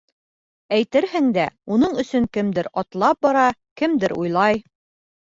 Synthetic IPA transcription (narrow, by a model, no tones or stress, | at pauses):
æjt̪ɘɾhɘŋd̪æunɤɴɵ̆sɵŋkɘ̆md̪ɘɾɒt̪lˠɑp̚bɑɾɑkɘ̆md̪ɘɾṵjlˠɑj